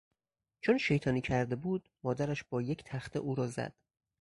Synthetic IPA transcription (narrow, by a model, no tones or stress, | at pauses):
t͡ʃʰonʃe̞jt̪ʰɒːniːkcʰæɾd̪e̞buːd̪̥mɒːd̪æɾæʃbɒːje̞cʰt̪ʰæxt̪ʰe̞̰ʔuːɾɒːzæ̰d̪̥